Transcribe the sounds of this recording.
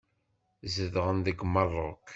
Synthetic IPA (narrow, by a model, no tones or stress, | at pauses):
zəðʁənðəɡmːɑrˤːʊk